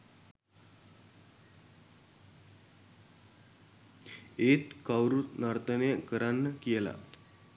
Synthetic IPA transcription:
et̪kawɾunaɾt̪ənekəɾanːəkjɛla̰

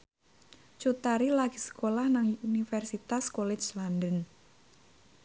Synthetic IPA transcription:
t͡ʃut̪aɾilaɡ̥isə̥kolahnaŋunifɛrsit̪askolɛt͡ʃlandən

